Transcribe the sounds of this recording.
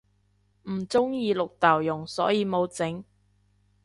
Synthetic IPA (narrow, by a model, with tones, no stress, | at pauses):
m̩˨˩t͡sʊ˥ŋjiː˧lʊ˨k̚t̪aː˨˩wjʊ˨˩ŋsɔː˨˥jiː˧mo˨˧wt͡sɪ˨˥ŋ